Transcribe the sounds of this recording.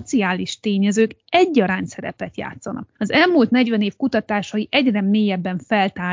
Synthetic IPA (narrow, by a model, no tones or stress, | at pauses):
t̪siaːliʃt̪eːɲɛzøːkɛɟːɒɾaːnsɛɾɛ̰pɛt̪ja̰ːt̪sɒnɒ̰k̚ɒzɛlmuːlt̪nɛɟʋɛneːfkut̪ɒt̪aːʃɒjiʔɛɟrɛmeːjɛbːɛɱfɛlt̪aː